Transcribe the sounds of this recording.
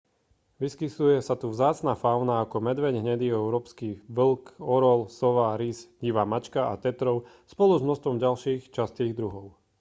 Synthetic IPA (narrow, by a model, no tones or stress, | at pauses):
ʋiskisujɛsat̪uvzaːt͡snafaʊnaːkɔmɛd̪ʋɛɲɦɲɛd̪iɛʊɾɔːpskiːʋlkɔɾɔlsɔʋaɾisɟiʋaːmat͡ʃkaʔa̰t̪ɛt̪ɾɔʊ | spɔluzmnɔst̪ʋɔmɟalʃiːxt͡ʃast̪iːɣd̪ɾuɦɔʊ